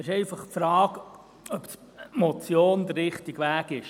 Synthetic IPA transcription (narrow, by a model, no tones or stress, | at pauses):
ɪʃɛɪfɑχfɾɑːk | œps | mɔt͡sjoːnd̪əɾːɪχtiɡʋæːɡɪʃ